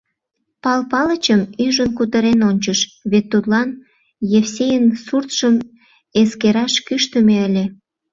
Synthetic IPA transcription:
pɑlpɑlət͡ɕəmyʒənkut̪əɾenonʲt͡ɕəʃβet̪ːut̪lɑn | jefsʲejənsurt̪ʃəm | eskeɾɑʃkyʃt̪əmeəlʲe

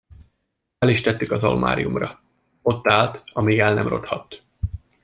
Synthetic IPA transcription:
ɛliʃt̪ɛt̪ːykɒzɒ̰lmʔa̰ːɾijumrɒ | o̞t̪ːaːlt̪ɒmiːɡɛlnɛ̰mro̞t̪hɒt̪ː

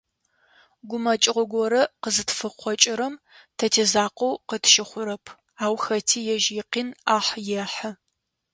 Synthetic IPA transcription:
ɡʷʊmɐt͡ʃʼɪʁʷʊɡʷɔɾɐqəzɨtfɨqʷɔt͡ʃʼɪɾɐm | tʰɐtʰezaːqʷowqətʰʃɪχʷʊɾɐpʰ | aːwxɐtʰiːjɛʒɪːqiːnaːħjɛħɐ

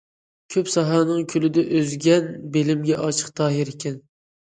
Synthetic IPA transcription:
kʲʰøpsɑɦɑnɨŋkʲʰylɪd̪ɛʔøzɡʲɛnbelɪmɡʲɛʔɑt͡ʃʰə̥q̚d̪ɑːɦɪɾekʲʰɛn

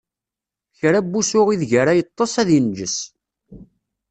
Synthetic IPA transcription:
çɾæbːusʊʁiðʝəɾajət̪ˤːɑsˤæðjənd͡ʒəs

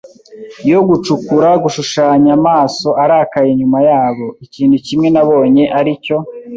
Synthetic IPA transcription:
jo̞ɡut͡ʃukuɾaɡuʃuʃaːɲamaːso̞aɾaːkajeɲumajaːβo̞iciːnhucimŋe̞naβo̞ːɲe̞ʔaɾico̞

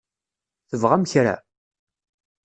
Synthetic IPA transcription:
θəvʁamçɾæ̰

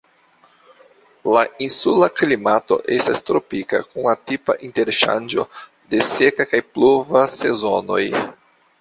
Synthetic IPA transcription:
lainsulaklimato̞̰ʔe̞stast̪ɾopika̰kunlatipa̰ʔinte̞ɾʃa̰nd͡ʒo̞̰ | de̞se̞kakajplovase̞zono̞j

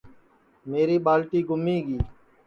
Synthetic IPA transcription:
meːɾiːɓaːlʈiːɡʊmiːɡiː

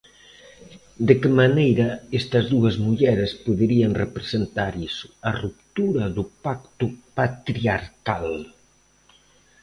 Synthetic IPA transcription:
d̪ekemanejɾɐɛst̪ɐzðuɐzmuʎɛɾespuðəɾiɐnrepɾezent̪aɾisuɐrup̚t̪uɾɐðupak̚t̪upat̪ɾiaɾkal

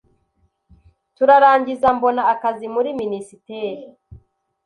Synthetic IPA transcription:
tuɾaɾaːɲɟizambo̞naːkazimuɾiminisiteːɾi

